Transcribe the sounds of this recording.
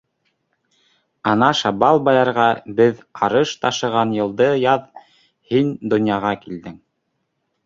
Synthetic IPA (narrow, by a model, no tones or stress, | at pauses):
ɑnɑʃɑbɑlˠbɑjɑɾʁɑbɘðɑɾɤʃt̪ɑʃɤ̆ʁɑnjɤ̆lˠd̪ɤjɑð | hind̪ŏnjɑʁɑkild̪ɘŋ